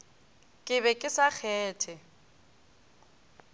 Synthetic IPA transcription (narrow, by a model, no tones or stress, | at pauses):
kʼɪβɛkʼɪsak͡xʰɛːtʰɛ